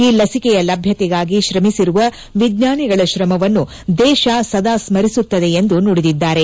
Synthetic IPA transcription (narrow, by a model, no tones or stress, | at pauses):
iːlɐsikɛjɐlɐbʱjɐt̪ɛɡaːɡiʃɾɐmisiɾuʋɐ | ʋid̪ɲaːniɡɐɭɐʃɾɐmɐʋɐnːu | d̪ɛːʃaːsɐd̪aːsmɐɾisut̪ːɐd̪e̞end̪unoːɽid̪id̪ːaːɾe̞